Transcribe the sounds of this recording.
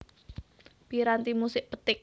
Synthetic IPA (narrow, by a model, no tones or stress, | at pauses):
b̥iɾant̪imusɪʔpət̪ɪk̚